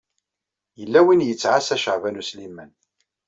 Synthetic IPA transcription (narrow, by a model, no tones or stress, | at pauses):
jəlːæwinjət͡sːʕasæʃəʕvænuslimːən